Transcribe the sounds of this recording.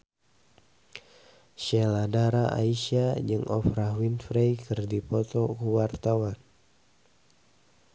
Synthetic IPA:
ʃɛladaɾaʔa̰iʃiad͡ʒɨŋʔɔ̰fɾaɦwinfɾejkɨrdipɔt̪ɔkuwart̪awan

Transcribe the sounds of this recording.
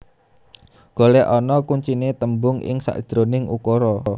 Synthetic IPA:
ɡ̥o̤lɛʔɔnɔkuɲt͡ʃinet̪əmbʊŋʔɪ̰ŋsa̰ʔd̥ɾonɪŋṵkɔɾɔ

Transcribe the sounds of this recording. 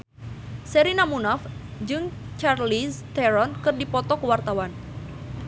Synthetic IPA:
sɛɾinamunafd͡ʒɨŋ | t͡ʃarlist̪ɛɾɔnkɨrdipɔt̪ɔkwart̪awan

